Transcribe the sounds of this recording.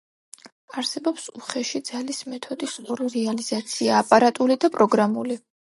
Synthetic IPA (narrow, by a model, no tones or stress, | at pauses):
aɾsɛbɔpsuχɛʃid̪z̥alismɛt̪ʰɔd̪isɔɾiɾɛaliz̥at̪sʰiaːpʼaɾat̪ʼulid̪apʼɾɔɡɾamuli